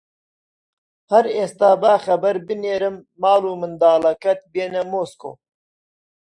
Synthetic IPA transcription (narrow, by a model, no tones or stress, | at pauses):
hɐɾeːst̪aːbaːxɐbɐɾbɨneːɾɨmːaːluːmɨnd̪aːlɐkɐt̪̚beːnɐmoːsko̰ː